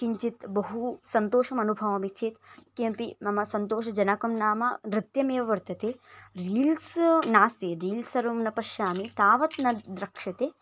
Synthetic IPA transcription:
kiɲt͡ʃit̪bɐɦusɐnt̪oːʃɐmɐnubʱɐʋɐmit͡ʃʰeːt̪kempimɐmɐsɐnt̪oːʃɐd͡ʒɐnaːkɐmnaːmɐɾɪt̪jɐmeːʋɐʋɐɾt̪ɐt̪eɾiːlsnaːsiɾiːlsɐɾumnɐpɐʃjaːmit̪aːʋɐt̪nɐd̪ɾɐkʂɐt̪e

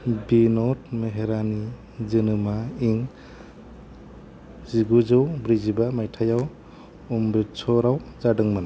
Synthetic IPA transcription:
binɔt̚meɦeɾani | zɯnɯmaiŋ | ziɡuzɯwbɾizibamajtʰajaw | umbɾisɔɾawzadɯŋmana

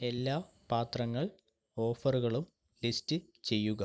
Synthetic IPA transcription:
e̞lːaː | paːt̪rɐŋːɐɭ | o̞ːfɐruɣɐɭum | listɨ | t͡ɕe̞jːuɣɐ

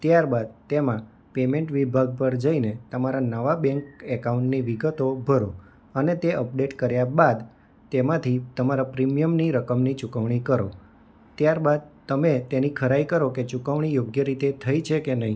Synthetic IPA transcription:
t̪jaɾbad̪̚t̪emã | pemẽɳʈʋibʱaɡ̚pəɾd͡ʒəinet̪əmaɾanəʋabɛ̃ŋkɛkaũɳʈniʋiɡət̪obʱəɾo | ənet̪eʔəp̚ɖeʈkəɾjabad̪ | t̪emãt̪ʰit̪əmaɾapɾimijəmniɾəkəmnit͡ʃukəʋɳ̃ikəɾo | t̪jaɾbad̪̚t̪əmet̪enikʰəɾaikəɾoket͡ʃukəʋɳ̃ijoɡjəɾit̪et̪ʰəit͡ʃʰekenəɦi

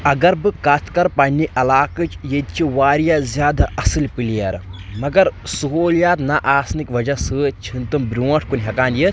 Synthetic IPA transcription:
ɐɡɐɾbɨkɐt̪ʰkɐɾpɐnʲiʔɐlaːkɨt͡ʃjed̪̚t͡ʃʰiʋaːɾjazʲjaːd̪aʔɐsɨlʲpɨlijɐɾmɐɡɐɾsuɦoːljaːt̪naʔaːsnikʋɐd͡ʒasɨt͡ʃʰint̪ɨmbɾʲuːɐʈʰkunʲɦɐkaːnjit̪

